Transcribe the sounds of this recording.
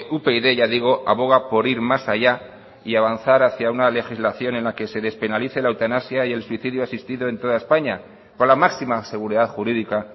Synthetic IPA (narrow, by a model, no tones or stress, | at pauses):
upe̞iðe̞ʝaðiɣ̞o̞ʔa̰βo̞ɣ̞apo̞ɾiɾmasaʝa | iaβ̞an̟θaɾaθjaunale̞xizlaθjo̞ne̞nlake̞se̞ðe̞spe̞naliθe̞lawt̪anasjaje̞lswiθiðjuasist̪iðoe̞nt̪o̞ðae̞spaɲa | ko̞nlamaksimase̞ɣ̞uɾiðaðxuɾiðika